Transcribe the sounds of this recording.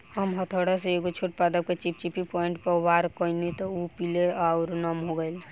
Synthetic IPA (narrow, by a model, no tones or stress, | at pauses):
həmɦət̪ʰoɽaseeɡot͡ʃʰoʈ̚pad̪əb̚ket͡ʃip̚t͡ʃipipɔiɳʈpəɾwaɾkɔnit̪ɔupileaʊɾnəmɦoɡəɪl